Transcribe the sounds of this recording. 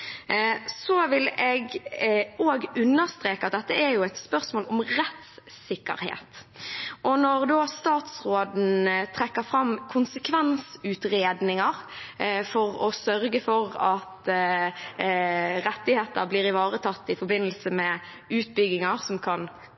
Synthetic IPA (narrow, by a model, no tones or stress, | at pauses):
sɔʋɪlɛɡ | oːɡʉnːəʁst̪ɾeːkəɑt̪̚d̪ɛt̪ːəæɾjʊæɪt̪spœʁsmoːlʊmʁɛt̪s | ɪkːə̰ɾhḛːt̪ʔɔnɔʁd̪oːst̪ɑːt̪sʁoːd̪n̩t̪ʰʁɛkːəfɾɑmkʰʊnsəkʰʋɛnsʉːt̪ɾeːd̪nɪŋɑɾfɔʁɔsœɾɡəfɔɾɑt̪ | ɾɛt̪ːɪheːt̪ə̰ɾbliːɾɪʋɑːɾət̪ʰɑt̪ːɪfɔɾbɪnːəlsəmɛ | ʉːt̪̚bʏɡɪŋɑʁsɔmkʰɑn